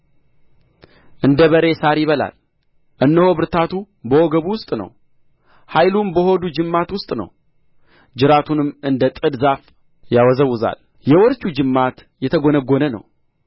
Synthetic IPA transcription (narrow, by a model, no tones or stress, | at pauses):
ʔɨnd̪əβəɾe̞saɾjɪβəla̰l | ʔɨnːəhoβɨɾt̪ʰat̪ʰu | bəwoɡəβuwʊst̪ʼnə̰w | hajlumbəho̞d̪ud͡ʒɨmːat̪wʊst̪ʼnə̰w | d͡ʒɨɾat̪ʰunɨmːʔɨnd̪ət̪ʼɨd̪zaf | jawɔzəwːʊza̰l | jɛwɔɾt͡ʃud͡ʒɨmːat̪ | jɛt̪ʰəɡonəɡːonənə̰w